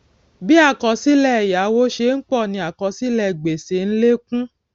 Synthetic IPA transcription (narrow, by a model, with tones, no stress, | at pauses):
bi˦a˦˨kɔ˨si˦lɛ˦˨ja˨˦wo˦ʃe˧˦n̩˦k͡pɔ˦˨nĩ˧˦a˨kɔ˨˧si˦lɛ˧˨ɡ͡be˨se˨˧˦n̩˦le˦kũ˦